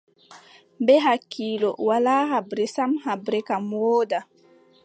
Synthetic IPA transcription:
bɛɦakʰːiːlɔ̰walaːɦabɾɛsamhabɾɛkamwɔːda

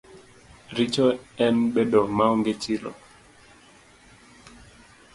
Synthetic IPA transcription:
ɾit͡ʃɔɛnɓɛɗɔmaɔŋɡet͡ʃilɔ̰

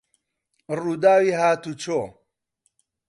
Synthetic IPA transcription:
ruːd̪aːwiɦaːt̪ut͡ʃʰo

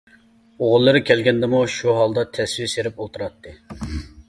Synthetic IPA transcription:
oʁʊlˠːɨɾɨkʲʰɛlɡʲɛnd̪ɪmuʃuɦɑlˠd̪ɑt̪ʰɛswijseɾɪpot̪ʰɨɾɑt̪ʰːɨ

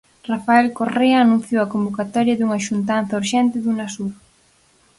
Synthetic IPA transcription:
rafaelkoreɐːnũn̟θjowɐkombokat̪ɔɾjɐðuŋɐʃunt̪an̟θɐuɾʃɛnt̪ɪðunasuɾ

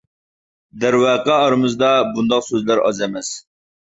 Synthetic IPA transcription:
d̪ɛɾwæːqɑːɾɨmɨzd̪ɑbund̪ɑqsøzlæɾɑ̰zɛmɛs

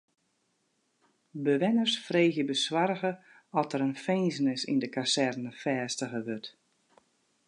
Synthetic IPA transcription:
bəʋɪnərsfreːɣjəbəswarɣə | ɔtəɾənfeːnzənɪsḭndəkasɛrnəfɛːstəɣəʋørt

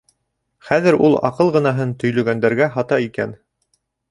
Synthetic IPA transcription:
χæðɘ̆ɾulˠɑ̰qɤlˠʁɤ̆nɑɦɤnt̪ɵ̆jlɵ̆ɡænd̪æɾɡæɦɑt̪ɑikæn

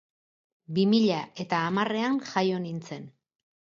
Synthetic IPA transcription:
bimiʎaʔe̞t̪aːmare̞aŋʝajo̞nint͡se̞n

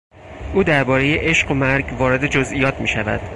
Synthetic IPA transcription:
ʔuːd̪æɾbɒːɾe̞je̞ʔe̞ʃɢomæɾɟvɒːɾe̞d̪e̞d͡ʒozʔiːjɒːt̪ʰmiːʃævæ̰d̪̥

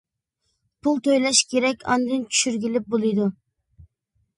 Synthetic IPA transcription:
pʰulˠt̪øjlɛʃkʲeɾɛkʲʰɑ̰nd̪ɨnt͡ʃʰy̥ʃyɾɡʲilɪp̚bolˠɨjd̪u

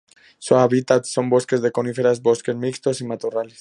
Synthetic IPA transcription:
soaβit̪at̪so̞mbo̞ske̞zðe̞ko̞nifeɾazbo̞ske̞zmikst̪o̞simat̪orales

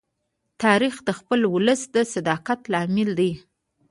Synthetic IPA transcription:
t̪ɑɾixd̪əxpəlwʊləsd̪əsad̪ɑqat̪lɑmɪld̪aj

